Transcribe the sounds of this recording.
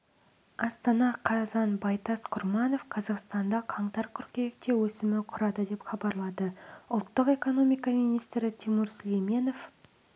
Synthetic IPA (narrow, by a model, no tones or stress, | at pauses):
ɑst̪ɑnɑqʰɑzɑnbɑjt̪ɑsqʰʊɾmɑno̞fqʰɑzɑqst̪ɑnd̪ɑqʰɑɴt̪ɑɾkʲʰʏɾkʲeek̚t̪e̞wɵsɪmɪqʰʊɾɑd̪əd̪e̞pχɑbɑɾlˠɑd̪əʊlˠt̪ːəqe̞ko̞no̞mijkɑmijnijst̪ɾɪt̪ʰemʊɾsɵlejme̞no̞f